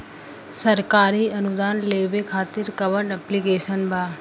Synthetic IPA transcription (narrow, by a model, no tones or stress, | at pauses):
sɐɾkaːɾiːɐnʊd̪aːnleːbekʰaːt̪ɪɾkɐʋəɳɐplikeːʃənbʱaː